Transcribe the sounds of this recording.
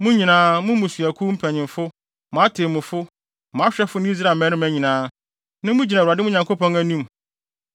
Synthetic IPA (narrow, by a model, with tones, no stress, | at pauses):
mʊ̃˦ɲĩ˨nãː˦mʊ̃˦mũ˨sɥæ˨kʰu˦m̩˦pʰæ˨ɲɪ̃˨mfʊ˦ | mʊ̃˨a˦tʰe˨mʊ̃˨fʊ˦ | mʊ̃˨a˦ɕᶣɛ˦fʊ˦nɪ̃˦i˦s̬ɾa˨mɛ̃˦nʊ̃˦mæ̃˨ɲĩ˨nãː˨˦ | nã˦mũ˦d͡ʑi˨na˨a˨dɪ˦mʊ̃˦ɲã˨ŋkʰo˦pʰɔ̃˦ŋæ˦nũ˦m